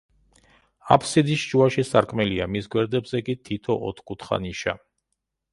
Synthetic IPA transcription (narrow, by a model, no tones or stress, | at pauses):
a̰pʰsid̪isʃt͡ʃuaʃisaɾkʼmɛliamisɡwɛɾd̪ɛbzɛkʼit̪ʰit̪ʰɔʔɔ̰t̪ʰkʼut̪ʰχa̰niʃa